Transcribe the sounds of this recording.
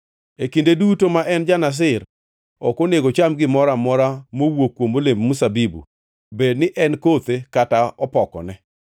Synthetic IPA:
ekindedutomaʔɛnd͡ʒanas̬ɪr | ɔkoneɡot͡ʃamɡɪmɔɾamɔɾamowokːwomolemmusabibṵ | bednɪʔɛnkot̪ekataɔpɔkɔ̰nɛ

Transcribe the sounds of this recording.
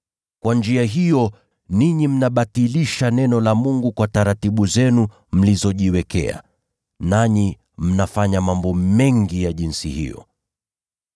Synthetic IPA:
kwand͡ʒiaɦijɔ | niɲim̩naɓatiliʃanɛnɔlamuŋɡukwataɾatiɓuzɛnu | m̩lizɔʄiwɛkɛ̰a̰ | naɲi | m̩nafaɲamambɔmɛŋɡijaʄinsihḭjɔ̰

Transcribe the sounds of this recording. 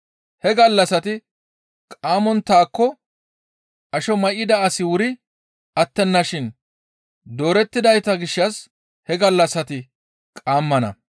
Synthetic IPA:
hɛɡɐlːɐsɐt̪ɪ | kʼaːmɔnt̪aːkːɔ | ʔɐʃɔmɐʔɪd̪ɐɐsɪwʊɾɪ | ɐt̪ːɛnːɐʃɪn | d̪o̞ːɾɛt̪ːɪd̪ɐjt̪ɐɡɪʃːɐs | hɛɡɐlːɐsɐt̪ɪ | kʼaːmːɐnɐ̰

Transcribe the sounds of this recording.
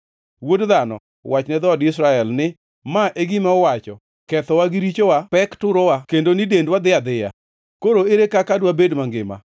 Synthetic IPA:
wodðanɔ̰ | wat͡ʃnɛd̪ɔdɪsɾaɛlnɪ | maʔeɡimɛɔwat͡ʃɔ̰ | kɛt̪ɔwaɡɪɾit͡ʃowapɛktʊɾɔwakendonɪdendwad̪ɪad̪ɪja̰ | koɾoeɾekakadwabedmaŋɡɪ̰ma̰

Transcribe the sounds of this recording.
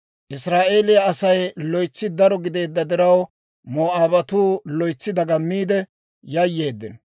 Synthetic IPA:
ʔɪsɾaːʔeːlɪjɐːsɐjlɔjt͡sːɪd̪ɐɾɔɡɪd̪e̞ːd̪ːɐd̪ɪɾɐw | moːʔaːbɐt̪uːlɔjt͡sːɪd̪ɐɡɐmːiːd̪ɛ | jɐjːe̞ːd̪ːɪn

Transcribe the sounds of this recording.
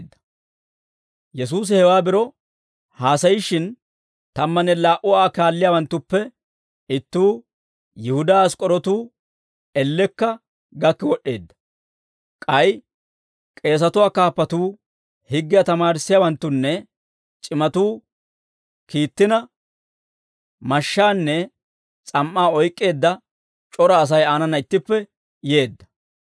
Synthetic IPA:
d̪ːɐ̥ | jɛs̬uːs̬ɪhɛwaːbɪɾɔ | haːsɐjɪʃɪn | t̪ɐmːɐnɛlaːʔʊwaːkaːlːɪjaːwɐnt̪ːʊpːɛ | ɪt̪ːuː | jɪhʊd̪aːskʼɔɾɔt̪uː | ɛlːɛkːɐ | ɡɐkːɪwɔɗːe̞̰ːd̪ːɐ̥ | kʼɐj | kʼe̞ːs̬ɐt̪ʊwaːkaːpːɐt̪uː | hɪɡːɪjɐt̪ɐmaːɾɪsːɪjɐwɐnt̪ːʊnːɛ | t͡ʃʼɪmɐt̪uː | kiːt̪ːɪnɐ | mɐʃːaːnːɛ | t͡sʼɐmʔːaːɔjkʼːe̞ːd̪ːɐ | t͡ʃʼɔɾɐːs̬ɐjaːnɐnɐɪt̪ːɪpːɛ | je̞ːd̪ːɐ̥

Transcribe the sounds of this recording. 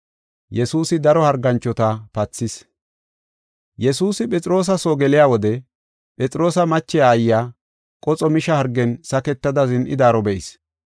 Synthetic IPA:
jɛsuːsɪd̪ɐɾɔhɐɾɡɐnt͡ʃːɔt̪ɐpɐt͡sːɪs | jɛsuːsɪpʼɛt͡sʼɪɾo̞ːs̬ɐsoːɡɛlɪjaːwɔd̪ɛ | pʼɛt͡sʼɪɾo̞ːsɐmɐt͡ʃːɪjaːjːaː | kʼɔt͡sʼɔmɪʃɐhɐɾɡːɛnsɐkɛt̪ːɐd̪ɐzɪnʔɪd̪aːɾɔbɛʔɪs

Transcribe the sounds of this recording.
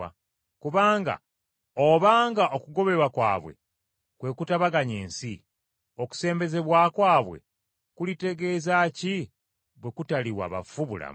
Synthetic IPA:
a̰ | kuβaːŋɡa̰ | oβaːŋɡaʔo̞kuɡo̞βe̞ɾwakwa̰ːβwḛ | kwe̞kutaβaɡaɲeːnsi | o̞ku̥se̞ːmbe̞ze̞βwaːkwaːβwe̞̰ | kulite̞ɡe̞ːzaci | βwe̞kutaliwa̰βa̰fuβula̰

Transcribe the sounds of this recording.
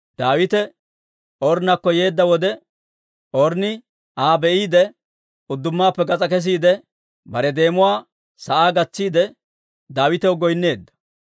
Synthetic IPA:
d̪̥aːwɪt̪ɛ | ʔɔɾnɐkːɔje̞ːd̪ːɐwɔd̪ɛ | ʔɔɾnɪ | aːbɛʔiːd̪ɛ | ʊd̪ːʊmːaːpːɛɡɐt͡sʼɐkɛs̬iːd̪ɛ | bɐɾɛd̪e̞ːmʊwaː | sɐʔaːɡɐt͡sːiːd̪ɛ | d̪aːwɪt̪ɛwɡɔjnːe̞ːd̪ːɐ̥

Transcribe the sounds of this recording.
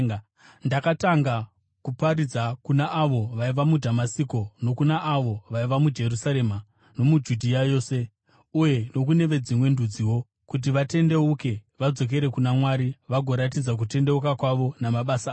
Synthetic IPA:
ndakataŋɡa | kupaɾid͡zakunaʔːʋo̞ʋaiʋamudʱamasiko̞no̞kunaʔːʋo̞ʋaiʋamud͡ʒe̞rusaɾe̞ma | no̞mud͡ʒudʱijajo̞ːse̞ | uje̞no̞kune̞ʋe̞d͡zimwe̞ndud͡ziwo̞ | kut̬iʋate̞nde̞uke̞ʋad͡zo̞k̬e̞ɾe̞kunamwaːɾiʋaɡʱo̞ɾatid͡zak̬ute̞nde̞ukakwaʋo̞namaɓasa

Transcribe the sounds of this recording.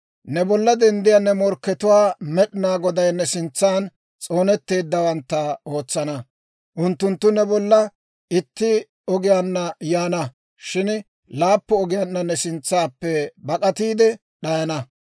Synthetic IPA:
nɛbɔlːɐd̪ɛnd̪ɪjanːɛmɔɾkːɛt̪ʊwaːmɛɗɪnaːɡɔd̪ɐjnːɛsɪnt͡sːaːn | t͡sʼo̞ːnɛt̪ːe̞ːd̪ːɐwɐnt̪ːɐo̞ːt͡sːɐnɐ | ʔʊnt̪ːʊnt̪ːʊnɛbɔlːɐ | ɪt̪ːɪ | ɔɡɪjanːɐjaːnɐ | ʃɪn | laːpːɔɔɡɪjanːɐnɛsɪnt͡sːaːpːɛbɐkʼɐt̪iːd̪ɛ | ɗɐjɐnɐ

